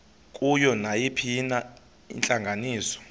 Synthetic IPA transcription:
kʼujɔnajipʰina | ḭnt͡ɬʼaŋɡʱaniːsɔ̥

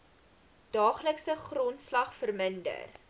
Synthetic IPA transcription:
d̥ɑːχləksəχrɔntslɐχfərməndə̰r

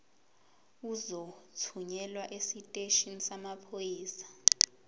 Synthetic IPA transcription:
uzotʰuɲɛlwaʔesitʼeʃinsamapʰojiːsḁ

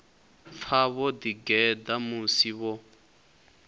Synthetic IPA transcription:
p̪fʰaβɔdiɡɛdamusiβɔ

